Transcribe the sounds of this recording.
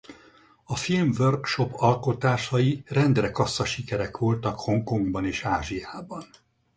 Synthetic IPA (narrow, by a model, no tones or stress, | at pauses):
ɒfilmvørkʃo̞pɒlko̞t̪aːʃɒjirɛnd̪rɛkɒsːɒʃikɛɾɛkʋo̞lt̪ɒkho̞ŋko̞ŋɡbɒneːʃaːʒijaːbɒn